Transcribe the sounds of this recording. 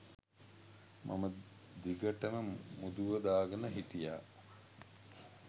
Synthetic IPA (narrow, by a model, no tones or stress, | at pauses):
mʔa̰mə | d̪iɡəʈəməmud̪uʋəd̪aːɡənəɦit̪ijaː